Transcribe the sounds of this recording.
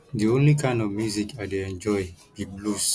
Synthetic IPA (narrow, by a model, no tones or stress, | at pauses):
diõnlikʰãɪ̃nɔvmjuzikadeɛ̃nd͡ʒɔɪbiblus